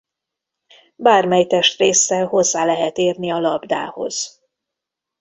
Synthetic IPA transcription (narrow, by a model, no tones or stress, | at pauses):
baːrmɛjt̪ɛʃt̪reːsːɛlho̞zːaːlɛɦɛt̪eːrniɒlɒbd̪a̰ːho̞̰z̥